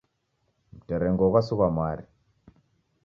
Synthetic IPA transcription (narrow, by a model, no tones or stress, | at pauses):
m̩teɾeŋɡokasukamaɾi